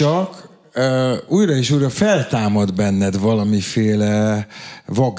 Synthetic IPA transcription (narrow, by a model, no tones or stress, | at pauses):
ɒkː | uːjɾɒeːʃuːjɾɒfɛlt̪aːmɒd̪bɛnːɛd̪vɒlɒmifeːlɛ | vɒɡ